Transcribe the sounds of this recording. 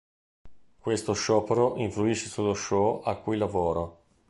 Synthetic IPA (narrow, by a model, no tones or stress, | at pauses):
kwest̪oʃɔːpeɾoʔiɱfluiʃesolːoʃɔʔakːujlavoːɾo